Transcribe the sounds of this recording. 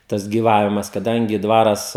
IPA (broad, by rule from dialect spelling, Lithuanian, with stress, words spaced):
ˈtɐs ɡʲiːˈʋɑːʋʲɪmɐs kɐˈdɐŋʲɡʲɪ ˈdʋɑːrɐs